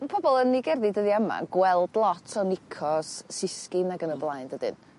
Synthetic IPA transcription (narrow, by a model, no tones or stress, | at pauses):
pʰɔbɔlˠənːiɡɛrðidəðiəma̰ɡ̥wɛlˠdlˠɔtʰɔnɪkʰɔsːɪskɪnaɡənəblˠajndədɨ̰n